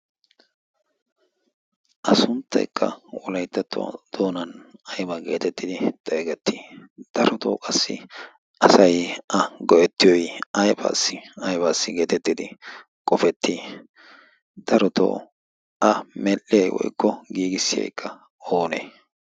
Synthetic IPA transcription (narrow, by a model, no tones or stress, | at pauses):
ʔɐsʊnt̪ːɐ̰jkʰːɐ̰wɔlɐjt̪ːɐt̪ːʊ̰a̰d̪̥oːnɐnɐjbɐɡe̞̰ːt̪ɛt̪ːɪd̪ɪt̪ʼɛːɡɛt̪ːiːd̪̥ɐɾɔt̪o̰ːkʼɐsːɪ̰ | ʔɐsɐjʔɐɡɔʔɛt̪ːɪjɔjɐjba̰ːsːɪɐjbaːsːɪɡe̞ːt̪ɛt̪ːɪd̪ɪ | kʼɔfɛt̪ʰːiː | d̪ɐɾɔt̪o̰ː | ʔɐmɛlːɪjɐjwɔ̰jkːɔɡiːɡɪsːɪjɐ̰jkʰːɐ | o̞ːnḛː